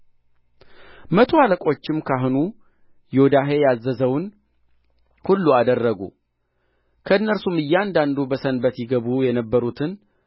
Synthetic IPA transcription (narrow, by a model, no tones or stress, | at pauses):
mət̪ʰoaləkʼo̞t͡ʃːɪmkʰaɦnu | jod̪aɦe̞jazːəzəwn | hulːuad̪ərːəɡṵ | kʰəɨnːəɾsumɨjːɛand̪and̪ubəsənbət̪jɪɡəβujɛnəbːəɾut̪ʰɨn